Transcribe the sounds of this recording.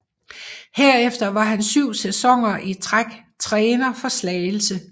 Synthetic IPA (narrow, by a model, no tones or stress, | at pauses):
heɐ̰efd̥ɐʋɑ̈ɦænsyʊ̰sesɒ̽ŋ̰ɐʔit͡sʰʁaɡ̥ | t͡sʰʁɛːnɐfɒ̽slɛːɪl̩sə